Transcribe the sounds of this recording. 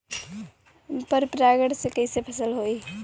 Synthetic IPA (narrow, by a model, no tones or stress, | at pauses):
pəɾpɾaɡəɽsekəjsepʰəsəlɦoj